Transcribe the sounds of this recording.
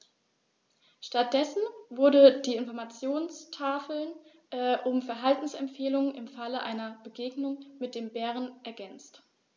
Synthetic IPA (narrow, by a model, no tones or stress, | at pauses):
ʃtat̚d̥ɛsn̩vʊɐdədiːɪnfɔɐmat͡sjoːnstʰaːfl̩n | ʔʊmfɛɐɦaltn̩sɛmfeːlʊŋənʔɪmfaləʔa̰ɪnɐbəɡeːɡnʊŋmɪt̚d̥eːmbɛːʁ̞ənʔɛɐɡɛnt͡st